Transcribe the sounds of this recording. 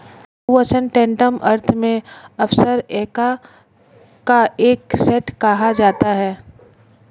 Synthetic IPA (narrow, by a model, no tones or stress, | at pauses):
ət͡ʃənʈɛ̃ːɳʈəmʔɐɾt̪ʰmẽɐfsəɾeːka | kaeːksɛʈkɐɦad͡ʒaːt̪aɦɛː